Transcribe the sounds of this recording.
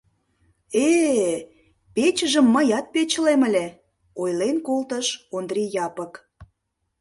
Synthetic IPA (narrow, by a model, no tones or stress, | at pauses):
e | pet͡ɕəʒəmːəjɑt̪̚pet͡ɕəleməlʲe | ojlenkolt̪əʃond̪rʲijɑpək